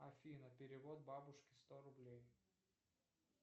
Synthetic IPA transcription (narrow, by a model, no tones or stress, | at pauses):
ɐfʲinəpʲɪɾʲɪvot̪̚babʊʂkʲɪ̥st̪oɾʊblʲej